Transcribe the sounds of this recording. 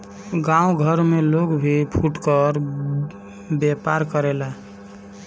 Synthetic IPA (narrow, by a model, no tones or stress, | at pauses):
ɡãuɡʱəɾmelokbʱipʰuʈkəɾ | bepaɾkəɾela